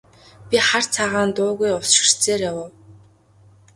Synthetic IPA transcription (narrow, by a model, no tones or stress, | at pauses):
pʲiχar̥t͡sʰaʁaːnt̪ʊːɣujʊsʃɪ̆r̥t͡seːrjawʊw